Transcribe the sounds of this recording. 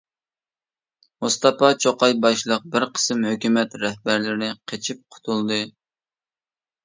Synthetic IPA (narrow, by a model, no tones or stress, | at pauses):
must̪ɑpɑt͡ʃʰoqɑjbɑʃlˠəq̚bɪɾqʰə̥sɨmhøkʲymɛt̪ɾɛhbæɾlɪɾɪqʰet͡ʃʰip̚qʰʊ̥t̪ʰulˠd̪ɨ